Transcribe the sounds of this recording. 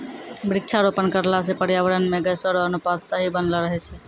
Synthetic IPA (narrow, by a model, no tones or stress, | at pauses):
bɾik̚t͡ʃʰaɾopənkəɾlasẽpəɾjaʋəɾənmeɡəsəɾoənupad̪səɦibənlɔɾəɦɛt͡ʃʰɛ